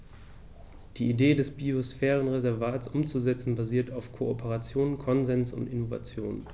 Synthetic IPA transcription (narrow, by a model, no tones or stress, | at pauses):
d̥iːideːdɛsb̥iosfɛːʁ̞ənʁezɛɐvaːtsʔʊmt͡suzɛt͡sn̩baziːɐtʰaʊfkʰoopʰəʁat͡sjoːnkʰɔnzɛnsʊ̰ntɪnova̰t͡sjo̰ːn